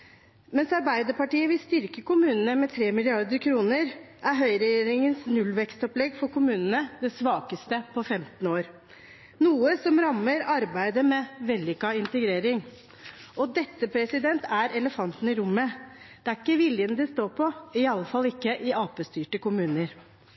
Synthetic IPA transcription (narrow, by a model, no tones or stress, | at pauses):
mɛnsɑɾbæɪd̪əpɑʈiːəʋɪlst̪ʏɾkəkʊmʉːnən̩əmɛt̪ʰɾeːmɪlɪɑɾd̪əɾkʰɾuːnəɾ | ʔæɾɦœʏɾɛjeːɾɪŋənsnʉlʋɛkst̪ɔplɛɡfɔɾkʊmʉːnənəd̪ɛsʋɑːkəst̪əpʰɔfɛmt̪n̩oːɾ | nuːəsɔmɾɑmːəɾɑɾbæɪd̪əmɛʋɛlːɪkɑɪnt̪əɡɾeːɾɪŋ | ɔd̪ɛt̪ːəpʰɾɛsɪd̪ɛnt̪ʰæɾʔɛləfɑnt̪n̩ɪɾʊmːəd̪̥ɛæɾɪkːəʋɪljənəd̪ɪst̪oːɾpʰɔɪɑlːəfɑlːɪkːəʔɪʔɑːpəst̪yːʈəkʊmʉːnəɾ